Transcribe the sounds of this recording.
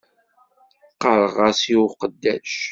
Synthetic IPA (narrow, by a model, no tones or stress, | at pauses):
qəɾˤʁɑsiwqəd̪ːæʃ